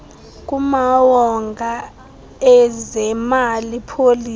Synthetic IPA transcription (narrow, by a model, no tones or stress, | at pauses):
k̬ʼumawɔŋɡʱa | ɛzɛmalipʰoliː